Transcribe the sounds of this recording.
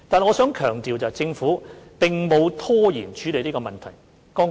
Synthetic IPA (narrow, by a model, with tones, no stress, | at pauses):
t̪aː˨nŋɔː˨˧sœː˨˥ŋkʰœː˨˩ŋt̪iː˨wt͡sɐː˨jt͡sɪ˧ŋfuː˨˥pɪ˨ŋmo˨˧wt̪ʰɔː˥jiː˨˩nt͡ʃʰyː˨˥le˨jli˥kɔː˧mɐ˨nt̪ʰɐ˨˩j | kɔː˥